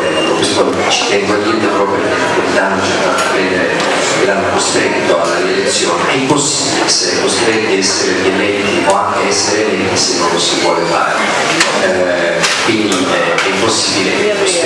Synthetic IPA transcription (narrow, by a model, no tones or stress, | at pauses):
lorispon | t͡ʃi̥t̪ɛŋɡoad̪ind̪apɾɔːpɾjokekːelt̪anːot͡ʃeɾt̪aɾapɾed̪eɾe | ɡɾand̪ekost̪ɾɛt̪ːoa̰d̪alːelet̪sːjoːniʔɛpːosːiːbileseɛkːost̪ɾɛt̪ːiɛsːeɾedelɛnt̪ioaŋk̟eɛsːeɾelɛnt̪isenːonːsivwɔːlefa̰ːɾe | kwind̪i | ɛ | ɛpːosːiːbile | os